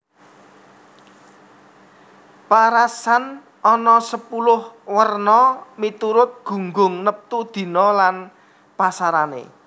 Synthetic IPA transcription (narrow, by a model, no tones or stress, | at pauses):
paɾasan | ʔɔnɔsəpulʊhwərnɔmit̪uɾʊt̪̚ɡ̥ṳŋɡʊŋnəp̚t̪ud̪̥i̤nɔlan | pasaɾanḛ